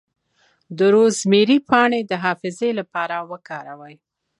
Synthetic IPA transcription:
d̪əɾozmeɾipɑɳed̪əɦɑfɪzelapɑɾawəkɑɾawəj

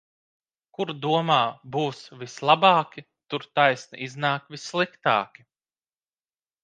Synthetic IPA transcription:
kuɾd̪uɔmaːbuːsvislˠabɑːkʲi | t̪uɾt̪ajsnḭʔiznaːkvisːlˠikt̪a̰ːkʲi̥

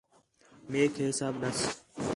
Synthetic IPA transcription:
meːkʰeːsaːbnɐs

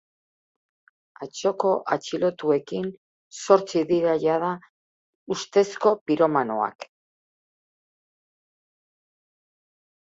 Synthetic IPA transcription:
at͡ʃo̞ko̞ʔat͡ʃilo̞t̪ue̞kin | so̞ɾt͡siðiɾaʎaða | ust̪e̞sko̞piɾo̞mano̞̰a̰k

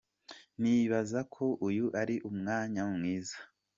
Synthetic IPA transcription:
niβazakʰo̞ʔujuʔaɾiʔumŋaːɲamŋiːzḁ

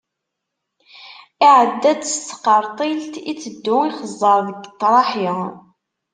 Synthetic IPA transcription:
iʕəd̪ːæd̪st̪ːə̥qːəɾˤt̪ˤilt̪it͡sːəd̪ːʊiχəzˤːəɾˤðəɡət̪ːɾˤɑħi

